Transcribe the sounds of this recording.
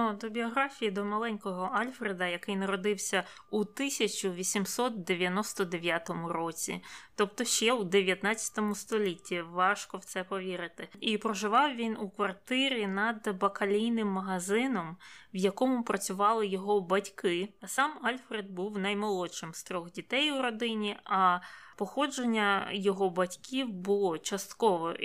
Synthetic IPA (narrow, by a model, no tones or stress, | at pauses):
d̪ɔbʲiɔɦɾafʲijid̪ɔmɐlˠɛnʲkɔɦɔalʲfɾed̪ɐjɐkɪjnɐɾɔd̪ɪwsʲɐ | ut̪ɪsʲɐt͡ʃʊʋʲisʲimsɔt̪̚d̪eʋʲjɐnɔst̪ɔd̪eʋʲjat̪ɔmʊɾɔt͡sʲḭt̪ɔp̚t̪ɔʃt͡ʃɛwud̪eʋʲjɐt̪nat͡sʲjɐ̥t̪ɔmʊst̪ɔlʲitʲːiʋɑʃkɔwt̪sɛpɔʋʲiɾɪt̪ɪipɾɔʒɪʋɑwʋʲinukʋɐrt̪ɪɾʲinɐd̪bɐkɐlʲijnɪmːɐɦɐzɪnɔmwjɐkɔmʊpɾɐt͡sʲʊʋɑlˠɪjɔɦɔbɐtʲkɪsɑmɑlʲfɾed̪̚buwnɐjmɔlˠɔʃɪmst̪ɾɔxdʲit̪ɛjuɾɔd̪ɪnʲiɐpɔxɔd͡ʒenʲːɐjɔɦɔbɐtʲkʲʰiwbʊlˠɔt͡ʃɐst̪kɔʋɔ